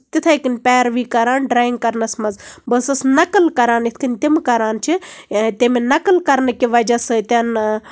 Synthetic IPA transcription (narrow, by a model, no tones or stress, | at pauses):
t̪it̪ʰajkinpʲɛːɾʋiːkɐɾaːnɖɾaːjiŋɡkɐɾnɐsmɐzbəːsɐsnɐkəlkɐɾaːnit̪ʰkɨnʲt̪imkɐɾaːnt͡ʃʰit̪imenɐkəlkɐɾnɐkiʋɐd͡ʒasɨt̪ʲan